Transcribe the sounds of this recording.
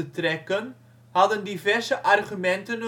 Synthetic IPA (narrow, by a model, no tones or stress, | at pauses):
ətrɛkən | hɑdəndivɛrsəʔɑrχymɛntən